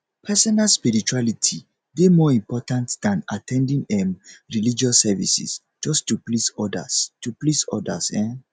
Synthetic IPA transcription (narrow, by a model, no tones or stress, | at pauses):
pʰɛsɔnalspiɹit͡ʃualitʰi | bemɔĩmpʰɔtãntd̥ãnatʰɛ̃ndĩŋɛmɹilid͡ʒɔsːɛvḭsḭs | d͡ʒɔstuplisɔda̰stuplisɔ̰dasɛ̃n